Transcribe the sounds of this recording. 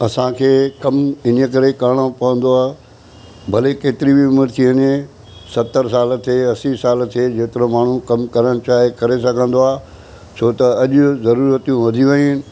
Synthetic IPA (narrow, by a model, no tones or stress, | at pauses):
ɐsãkʰeːkɐmɪnəkɐɾekaːɽ̃opɐʋə̃n̆d̪oaː | bʱɐlekeːt̪ɪɾibiʊməɾt̪ʰiɐɲẽ | sɐt̪ːəɾsaːlt̪ʰeːɐsisaːlt̪ʰed͡ʑeːt̪ɪɾomaːɳ̤ũkɐmkɐɾəɽ̃t͡ɕaːɦekɐɾesɐɡʱə̃nd̪oaː | t͡ɕʰoːt̪ɐɐʄʊ̆zɐɾuːɾət̪ijũʋɐd̪ʱiʋeɪnɪ̆